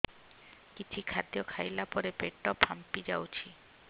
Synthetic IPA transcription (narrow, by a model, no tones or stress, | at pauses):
kit͡ɕʰikʰad̪jokʰajlapɔɾepeʈːɔpʰampid͡ʑawt͡ɕʰi